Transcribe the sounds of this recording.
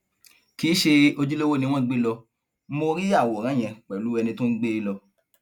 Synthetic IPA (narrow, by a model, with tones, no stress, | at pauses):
ki˨˦ʃe˧o˧d͡ʒu˦lo˦wo˦nĩ˧w̃ɔ̃˦ɡ͡be˦lɔ˧˦ | mo˧ɾi˦a˦˨wɔ˨ɾ̃ã˨˦j̃ɛ̃˧k͡pɛ˨lu˨˦ɛ˧nĩ˧tũ˦n̩˦ɡ͡be˦lɔ˧